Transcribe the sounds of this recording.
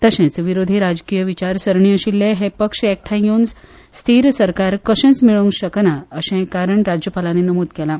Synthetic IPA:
t̪əɕɛ̃t͡sʋiɾod̪ʱiɾad͡ʑkijəʋit͡ɕaɾsəɾɳiəɕilːeɦepəkʂek̚ʈʰajjund͡z | st̪ʰiɾsəɾkaɾkəɕɛ̃t͡smiɭũŋɡɕəknaəɕɛ̃kaɾəɳɾad͡ʑjəpalanenəmud̪kɛlã

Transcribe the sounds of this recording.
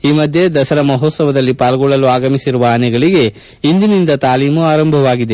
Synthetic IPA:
iːmɐd̪ʱje̞d̪ɐsɐɾɐmɐɦoːt̪sɐʋɐd̪ɐlːipaːlɐɡɔɭːɐluaːɡɐmisiɾuʋɐɐnɛɡɐɭiɡe̞ | ind̪inind̪ɐt̪aːliːmuaːɾɐmbʱɐʋaːɡid̪e̞

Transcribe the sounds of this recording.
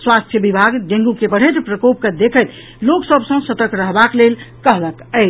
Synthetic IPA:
swast̪ʰjəbibʱaɡɖẽŋɡukebəɽ̤ət̪pɾəkop̚ked̪ekʰət̪ | loksəbsə̃sət̪əkɾəɦbaklelkəɦləkəɪt͡ʃ

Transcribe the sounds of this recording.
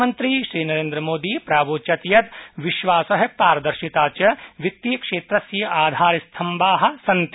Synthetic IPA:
mɐnt̪ɾiːʃɾiːnɐɾeːnd̪ɾɐmoːd̪iːpɾaːboːt͡ʃɐt̪jɐt̪ʋiʃʋaːsɐɦɐpaːɾɐd̪ɐɾʃit̪aːt͡ʃɐʋit̪ːiːkʂeːt̪ɾɐsjɐʔaːd̪ʱaːɾist̪ʰɐmbaːɦɐ̆sɐnt̪

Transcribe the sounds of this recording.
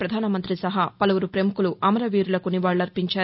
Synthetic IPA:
pɾɐd̪ʱaːnɐmɐnt̪ɾisɐɦɐpɐlɐʋuɾupɾemukuluʔɐmɐɾɐʋiːɾulɐkuniʋaːɭːɐɾpiɲt͡ʃaː

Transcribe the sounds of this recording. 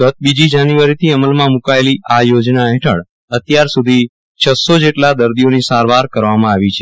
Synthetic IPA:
ɡət̪̚bid͡ʒid͡ʒanjuaɾit̪ʰiəməlmãmukaeliʔajod͡ʒnaɦɛʈʰəɭ | ət̪jaɾsud̪ʱi | t͡ʃʰəsod͡ʒeʈlad̪əɾd̪ijonisaɾʋaɾkəɾʋamãaʋit͡ʃʰe

